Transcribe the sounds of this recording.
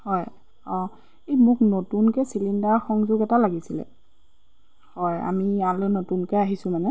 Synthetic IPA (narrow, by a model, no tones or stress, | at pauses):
hɔj | ɔ̃ | ejmʊknotunkɛsilindaɹxɔŋzʊɡɛtalaɡisilɛ̰ | hɔja̰mialɛnotunkɛaɦisʊmanɛ